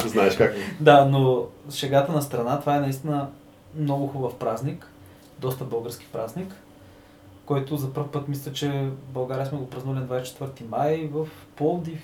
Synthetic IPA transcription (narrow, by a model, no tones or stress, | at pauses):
oznaɛʃkakt̪d̪anoʃɛɡat̪ənɐst̪ɾɐnat̪ovaɛnɐist̪inə | mnɔɡʊxubɐfpɾaznik | d̪ɔst̪əbɤlˠɡəɾsk̟i̥pɾaznikː | ɔjt̪ʊzɐpəɾfpɤt̪mislʲət͡ʃɛbɐlˠɡaɾijəsmɛɡopɾɐznulʲɛnd̪vajst͡ʃɛ̥t̪vəɾt̪imajvəf | pɔlˠd̪if